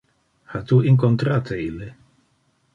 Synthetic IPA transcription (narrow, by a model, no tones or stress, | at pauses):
hat̪uiŋk̬ont̪ɾaːt̪eilːe